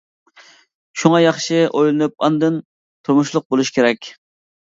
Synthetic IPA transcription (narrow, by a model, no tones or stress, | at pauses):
ʃuŋɑjɑχʃɪʔojlˠɨnɨp̚ɑnd̪ɨn | t̪ʰuɾmuʃlˠʊq̚bolˠuʃkʲʰeɾɛkʲ